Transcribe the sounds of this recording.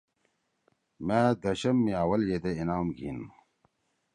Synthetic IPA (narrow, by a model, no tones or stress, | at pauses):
meːd̪ɐɕɐmːiaːwɐljed̪einaːmɡḭn